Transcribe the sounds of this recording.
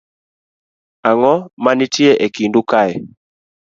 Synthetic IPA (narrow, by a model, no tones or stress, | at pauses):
aŋɔmanitiɛʔɛkindukaɛ